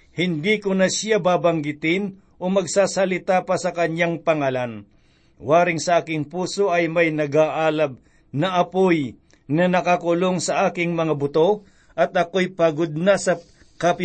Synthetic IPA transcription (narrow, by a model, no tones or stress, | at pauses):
hɪnd̪ikʊnɐsjabaːbɐŋɡɪt̪ɪn | ʔo̞mɐɡsaːsɐlɪt̪apɐsɐkɐɲːaŋpɐŋaːlɐn | waːɾɪŋsɐʔaːkɪŋpuːso̞ʔɐjmɐjnɐɡaːʔaːlɐb̚ | nɐʔɐpoj | nɐnɐkakʊlo̞ŋsɐʔaːkɪŋmɐŋabʊt̪o̞ | ʔɐt̪̚ʔɐko̞jpaɡod̪̚nɐsɐ | kɐpɪ